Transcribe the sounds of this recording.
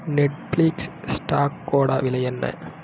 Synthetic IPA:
nɛʈ̚pliːkssʈaːkːoːɽaːʋɪlɐjɛnːɐ̰

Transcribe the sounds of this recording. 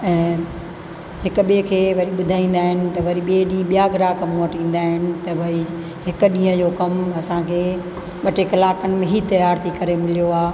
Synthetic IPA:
ɛ̃ː | ɦɪkʊɓikʰeːʋɐɾiɓʊd̪ʱaːĩːn̆d̪aːɦɪnɪ̆t̪ɐʋɐɾiɓieɗĩːɓijaɡɾaːkɐmːʋəʈĩːn̆d̪aːɦɪnɪ̆t̪ɐʋɐi | ɦɪkʊ̆ɗĩːə̃d͡ʑokɐmɐsãkʰeː | ɓɐʈekɐlaːkənɪ̆mẽɦit̪ɐjaːɾt̪ʰikɐɾemɪlijoaː

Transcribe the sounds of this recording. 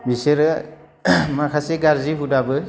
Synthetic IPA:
biseɾɯ | makʰaseɡaɾziɦudabɯ

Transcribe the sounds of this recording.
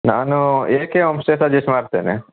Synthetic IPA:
naːnueːkeʋɐmsʈeːsad͡ʒismaːɾt̪eːnḛ

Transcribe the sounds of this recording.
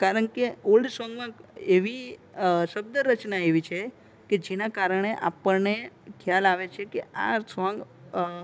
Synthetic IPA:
kaɾəɳkeolɖsʋãŋɡmãeʋi | ʃəb̚d̪əɾət͡ʃnaeʋit͡ʃʰe | ked͡ʒenakaɾəɳ̃eʔa̰pəɾnekʰjalaʋet͡ʃʰekea̰sʋãŋɡ

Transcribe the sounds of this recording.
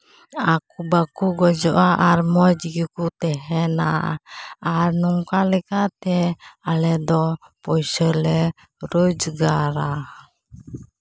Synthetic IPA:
akubakuɡɔd͡ʒɔʔaʔaɾmɔd͡ʒɡikut̪ɛɦɛna̰ː | ɾnɔŋkalɛkat̪ɛalɛd̪ɔpɔjsɔlɛ | ɾod͡ʒɡaɾa

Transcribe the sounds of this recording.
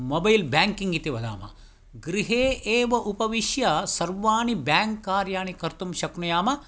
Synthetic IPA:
mobɐjlbʲaːŋkiŋɡit̪iʋɐd̪a̰ːmɐ̰ | ɡɾiɦeːʔeːʋɐʔupɐʋiʃjɐsɐɾʋaːɳibjaːŋkːaːɾjaːɳikɐɾt̪umʃɐknujaːmɐ

